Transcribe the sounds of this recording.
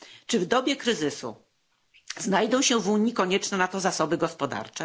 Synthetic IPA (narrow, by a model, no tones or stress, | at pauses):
t͡ʂɘvd̪ɔbʲjɛkɾɘzɘsṵ | znajd̪ɔ̃w̃ɕɛvuɲikɔɲɛt͡ʂnɛnat̪ɔzasɔbɘɡɔspɔd̪a̰ɾt͡ʂɛ